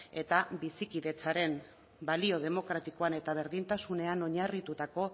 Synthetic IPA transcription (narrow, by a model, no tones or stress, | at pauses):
e̞t̪abisikiðe̞t͡saɾe̞m | balio̞ð̞e̞mo̞kɾat̪iko̞ane̞t̪aβ̞e̞ɾðint̪asune̞ano̞ɲarit̪ut̪ako̞